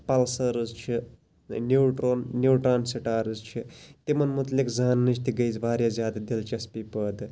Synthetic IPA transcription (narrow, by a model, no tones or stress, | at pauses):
pɐlsɐɾɨzt͡ʃʰi | nuːʈɾoːnːuwʈɾaːnsiʈaːɾɨzt͡ʃʰit̪imɐnmut̪likzaːnːɨt͡ʃʰt̪iɡɐjt͡sbʱaːɾjazʲjaːd̪ad̪ilt͡ʃɐspipəd̪